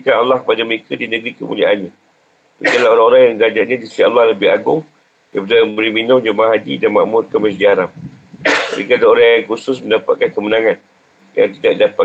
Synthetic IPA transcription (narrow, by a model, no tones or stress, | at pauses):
kanalːɑhkəpadaməɾekʰədinə̃ɡɾikəmṵliaʔanɲã | ɾikalaoɾaŋoɾaŋjaŋəlad͡ʒaʔɲãd͡ʒisia̰lːɑhləbɪhaɡʊ̰ŋ | dapadajməbəɾiminʊ̃md͡ʒəmaɦadidanmã̰ʔmʊrkəməsdiaɾap̚ | əɾḭkadaoɾaŋjaŋkusʊsmə̃ndapat̪̚kankəmənãŋãn | ja̰ŋt̪idaʔdapa